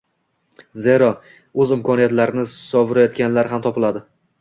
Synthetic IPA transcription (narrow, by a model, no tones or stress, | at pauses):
ze̞ɾɒ | ɵzɪmkʰɒnijat̪laɾɪnɪsɒvɪɾajɒt̪kʲanlaɾɦamt̪ʰɒpɪlad̪ɪ